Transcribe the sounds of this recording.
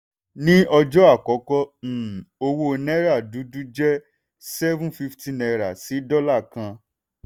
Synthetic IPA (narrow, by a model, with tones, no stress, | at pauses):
nĩ˦ɔ˧d͡ʒɔ˦a˦˨kɔ˨˦kɔ˦˨o˧wo˧nɛ˦ɾa˦˨du˨˦du˦d͡ʒɛ˦ | sɛ˦vũ˦fi˦ftĩ˦nɛ˧ɾa˨si˨˦dɔ˦la˦˨kã˧